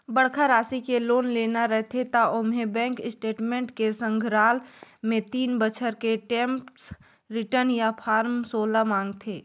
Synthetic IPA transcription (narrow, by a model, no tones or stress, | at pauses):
bəɽkʰaɾaːsikeloːnleːnaɾɛɦt̪ʰet̪aʊmɦebɛ̃ːŋkɪsʈeːʈmẽːɳʈkesə̃ŋɡʱɾaːlmẽt̪iːnbət͡ʃʰəɾkeʈẽːmps | ɾɪʈəɾnjapʰaːɾmsoːlamãːŋɡt̪ʰeː